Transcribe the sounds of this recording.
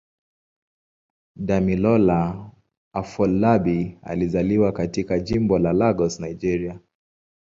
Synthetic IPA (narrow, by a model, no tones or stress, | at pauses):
damilɔla | afɔlːabia̰lizaliwakatikaʄimbɔlalaɡɔsnaid͡ʒɛɾia